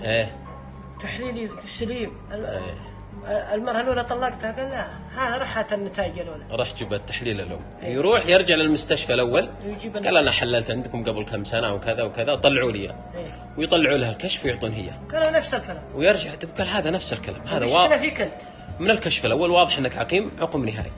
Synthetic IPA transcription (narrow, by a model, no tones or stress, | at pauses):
ʔeː | t̪aħliːli | saliːm | ḛː | lmɑɾˤhaloːlat̪ˤɑlːɑɡt̪haɡaːlːa | haːðaɾˤɑːħat̪anːɪt̪aːd͡ʒaloːlaɾˤɑːħd͡ʒɪbat̪ːaħliːlalʔʊ̰m | jɾˤuːħjɪɾˤd͡ʒaʕlɪlmʊst̪aʃfalʔawːal | jd͡ʒiːbɡaːlʔanaħalːalt̪ʕɪnd̪kʊmɡablxamsanaʔwkɪðawkɪðat̪ˤɑlːʕuːlɪjːa̰ | eː | wjt̪ˤɑlːɪʕuːlahalkaʃfjʊʕt̪ˤuːnɦɪ̰jːa̰ɡ̥alanafsɪlkalaːmwjɪɾˤd͡ʒaʕt̪ɡaːlɦaːðanafsɪlkala̰ːmhaːðawɑːnːafikʊnt̪ | mɪnɪlkaʃfɪlʔawːalwɑːðˤɨħʔɪnːakʕaqiːmʕʊqmnɪɦa̰ːj